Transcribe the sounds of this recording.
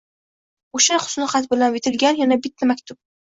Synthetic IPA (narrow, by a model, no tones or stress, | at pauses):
oʃaχʊ̥snɪχɑt̪bɪlanvɪt̪ʰɪlɡʲanjanabɪt̪ʰːamakʲt̪ʰʊp̚